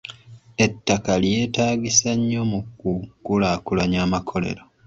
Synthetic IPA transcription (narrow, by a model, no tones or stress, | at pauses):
e̞tːakalje̞ːtaːɡisaɲːo̞mukːukːulaːkulaɲaːmakʰo̞le̞̰ɾo